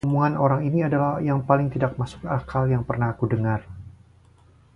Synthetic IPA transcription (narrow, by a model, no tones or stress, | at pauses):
muŋanoɾaŋiniadalahjaŋpalɪŋt̪idak̚masʊ̥kakʰaljaŋpərnahkudəŋar